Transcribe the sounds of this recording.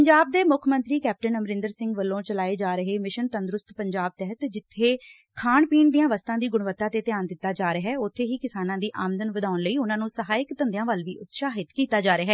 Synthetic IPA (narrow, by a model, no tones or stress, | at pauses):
əɲd͡ʒaːb̚d̪eːmʊkʰmə̃nt̪ɾiːkɛːp̚ʈənəmɾɪ̃nd̪əɾsɪ̃ŋɡʋəlːõːt͡ʃəlaːeːd͡ʒaːɾəɦeːmɪʃənt̪ənd̪ɾʊst̪pəɲd͡ʒaːb̚t̪ɛɦət̪d͡ʒɪt̪ʰːeː | kʰaːɳpiːɳd̪ijãːʋəst̪ãːd̪iːɡʊɽ̃ʋət̪ːãːt̪eːt̪ɪjaːnd̪ɪt̪ːaːd͡ʒaːɾəɦɛːʊt̪ʰːeːɦiːkɪsaːnãːd̪iːʔaːmənd̪ənʋəd̪aːʊnləiːʊnãːnũːsəɦaːɪkt̪ənd̪jãːʋəlʋiːʔʊt̪ʃaːɦɪt̪kiːt̪aːd͡ʒaːɾəɦɛː